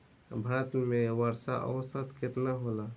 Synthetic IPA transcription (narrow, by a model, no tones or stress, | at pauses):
bʱat̪mẽwəɾsa̰ʔə̰wsət̪kɪt̪naɦola